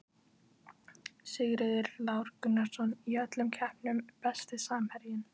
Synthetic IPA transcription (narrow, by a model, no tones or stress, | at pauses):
sɪɣɾɪðɪɾlaːwɾkʏnːaɾsɔniœt̪lʏmcʰɛhpnʏmpɛst̪ɪsaːmhɛɾjɪn